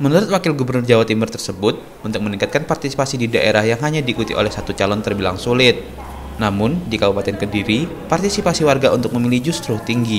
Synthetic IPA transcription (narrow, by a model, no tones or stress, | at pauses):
mənuɾʊt̪̚wakɪlɡubərnʊrd͡ʒawat̪imərt̪ərsəbʊt̪̚ | unt̪ʊk̚məniŋkat̪̚kanpart̪isi̥pasididaʔeɾahjaŋɦaɲadiːkut̪ḭʔo̰lɛhsat̪ut͡ʃalɔnt̪ərbila̰ŋsulɪt̪̚ | namʊndikabupat̪ɛnkədiɾi | part̪isipasiwarɡaʔunt̪ʊk̚məmilid͡ʒust̪ɾʊht̪iŋɡi